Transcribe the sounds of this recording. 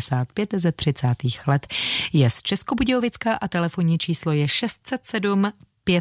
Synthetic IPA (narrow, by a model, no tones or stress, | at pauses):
saːt̪̚pjɛt̪zɛt̪r̝̥ɪt͡saːt̪iːxlɛt̪jɛst͡ʃɛsko̞buɟɛovɪt͡skaʔat̪ɛlɛfo̞ɲit͡ʃiːslo̞jɛʃɛst̪̚sɛt̪sɛdum | pjɛ